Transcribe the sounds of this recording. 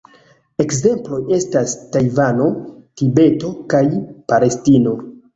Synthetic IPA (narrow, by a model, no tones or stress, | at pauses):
e̞kze̞mplo̞je̞stastajvano̞tibe̞to̞kajpale̞stino̞